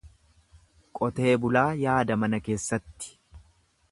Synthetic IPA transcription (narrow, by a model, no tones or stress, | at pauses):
kʼɔt̪e̞ːbʊlaːjaːd̪ɐmɐnɐke̞ːsːɐt̪ːɪ̥